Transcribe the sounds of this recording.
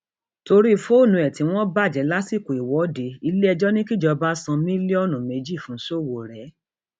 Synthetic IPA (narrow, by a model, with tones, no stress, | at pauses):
to˧ɾi˦˧fo˦˨nũ˨˧ɛ˨tĩ˨˦w̃ɔ̃˦ba˦˨d͡ʒɛ˨˦la˦si˦˨ko˨i˨wɔ˨˦de˧˦i˧le˦ɛ˧d͡ʒɔ˦nĩ˦ki˦d͡ʒɔ˧ba˦sã˧mĩ˦li˦ɔ˦˨nũ˨me˨˧d͡ʒi˦˨fũ˨˦so˦˨wo˨ɾɛ˨˦